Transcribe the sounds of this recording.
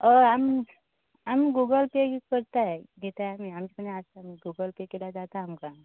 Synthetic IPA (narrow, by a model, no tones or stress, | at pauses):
ɔam | amiɡuɡəlpekəɾt̪aɛɡet̪aeamiamd͡ʑikəneast̪aamiɡuɡəlpekelad͡ʒat̪aːmka